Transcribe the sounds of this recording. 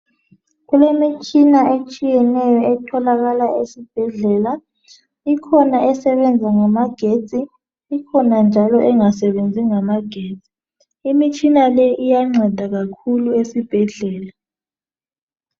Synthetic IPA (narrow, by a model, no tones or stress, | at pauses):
ɣulemit͡ʃʼinaʔet͡ʃʼijɛnɛjɔɛtʰɔlaɣalaʔesib̥ʱɛɮɛla | ikʰɔnaʔɛsɛβɛnd͡zʱaŋamaɡ̥ʱe̥t͡sʼiː | kʰɔnand͡ʒʱalɔʔɛŋasɛβend͡zʱiŋamaɡ̥ʱeːt͡sʼi̥ | imit͡ʃʼinalɛʔijaŋ͡ǀɛd̥ʱaɣakʰuluesib̥ʱɛɮɛːla